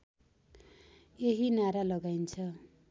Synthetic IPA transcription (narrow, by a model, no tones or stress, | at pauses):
eɦinaɾalʌɡajnt͡sʰʌ